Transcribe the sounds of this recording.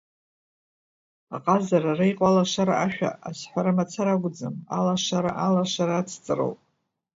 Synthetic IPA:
aqʼazararejqʼalaʂaɾa̰ʔaʃᶣa̰asħʷaɾamat͡sʰaɾaɡʷʊd͡zɨma̰laʂaɾaʔalaʂaɾaːt͡sʰt͡sʼɨro̰wpʼ

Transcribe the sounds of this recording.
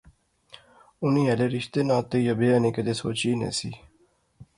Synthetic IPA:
ʊnĩːeleːɾɪʃt̪eːnãːt̪ːeːjəbeːaːnĩːkəd̪eːsoːt͡ʃiːnḛːsḭː

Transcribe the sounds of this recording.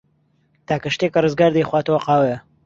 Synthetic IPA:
t̪ʰaːkɐʃt̪ekɐrɨzɡaːɾd̪ɐjχwaːt̪ɐwɐqɑːwɐjɐ

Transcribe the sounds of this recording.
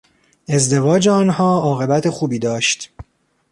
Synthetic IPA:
e̞zd̪e̞vɒːd͡ʒeɒːnɦɒːɒːɣe̞bæt̪ʰe̞xuːbiːd̪ɒːʃt̪

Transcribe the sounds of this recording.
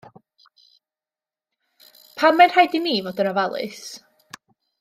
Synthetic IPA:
pʰamːar̥hajdiniːvɔdənɔvalˠɨ̰s

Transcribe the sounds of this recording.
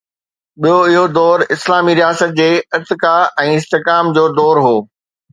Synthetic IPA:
ɓijoɪɦod̪ɔːɾɪslaːmiɾijaːsət̪̚d͡ʑeːɪɾt̪ɪkaɛ̃ːɪst̪ɪkaːmd͡ʑoːd̪ɔːɾɦoː

